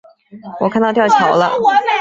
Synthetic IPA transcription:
wɔ˨˩kʰa˥˧nt̪ɑ˥˧t̪jʊt͡ɕʰjɑ˨˩˦ʊlə̰˦

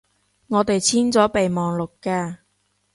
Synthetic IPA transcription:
ŋɔː˨˧t̪e˨jt͡sʰiː˥nt͡sɔː˨˥pe˨jmɔː˨ŋlʊ˨kːaː˧

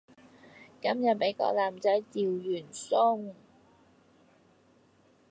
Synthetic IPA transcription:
kɐ˥mjɐ˨t̚me˨˥jkɔ̰ː˧˥k̚laː˨˩mt͡sɐ˨˥jt͡siː˨wjyː˨˩nsʊ˥ŋ

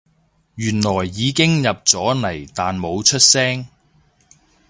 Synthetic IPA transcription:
jyː˨˩nlɔː˨˩jːiː˨˧kɪ˥ŋjɐ˨p̚t͡sɔː˨˥nɐ˨˩jt̪aː˨nmo˨˧wt͡ʃʰɵ˥t̚sɛː˥ŋ

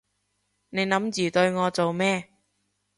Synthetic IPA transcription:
ne˨˧jnɐ˨˥mjyː˨˩t̪ɵ˧ɥŋɔː˨˧t͡so˨wmɛː˥

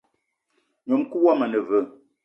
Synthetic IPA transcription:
ɲo˨mku˦wa˦˨mə˨nə˨və˨

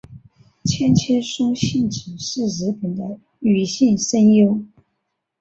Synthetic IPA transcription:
t͡ɕʰjɛ˥nt͡ɕʰɛ˥ʂʊ˥ŋɕi˥˩nʈ͡ʂ̩˨˩ʂɻ̩˥˩ɻ̩˧˥pi˨˩nd̪ə˦ | y˨˩ɕi˥˩nʂə˥njo˥ʊ

